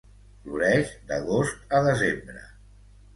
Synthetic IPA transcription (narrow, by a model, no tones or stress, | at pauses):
fluɾɛʒd̪əɣ̞ost̪̚əðəzembɾə̰